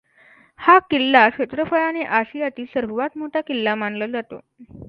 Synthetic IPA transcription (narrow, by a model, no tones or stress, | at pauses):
hakilːaʂet̪ɾəfəɭaneʔaɕijat̪iːsəɾʋʋat̪moʈakilːamanləd͡zat̪o̰